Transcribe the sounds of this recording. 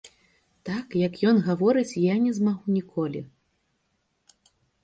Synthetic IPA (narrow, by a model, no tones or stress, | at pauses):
t̪akjɐkjɔnɣavɔɾɨt͡sʲjanʲɛzmaɣunʲikʰɔlʲḭ